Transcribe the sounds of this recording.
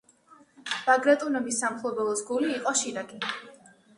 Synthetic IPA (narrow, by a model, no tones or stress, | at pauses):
b̥aɡɾat̪ʼunɔmisːamχlˠɔbɛlˠɔsɡuliːqʼɔʃiɾakʼi